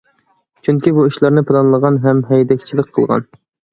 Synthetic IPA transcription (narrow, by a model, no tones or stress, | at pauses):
t͡ʃʰyŋkʲibuiʃlˠɑɾnɨpʰɨlˠɑnlˠəʁɑnɦɛmɦɛjd̪ɛkʲt͡ʃʰilˠək̚ʲqʰə̰lˠʁɑ̰n